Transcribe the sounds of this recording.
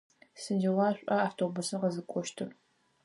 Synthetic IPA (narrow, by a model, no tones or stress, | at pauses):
sɨnd͡ʒɐwɑːɕʷʼɐaːftʰoːbʊsɨqɐzɨkʷʼɔʃtʰɨr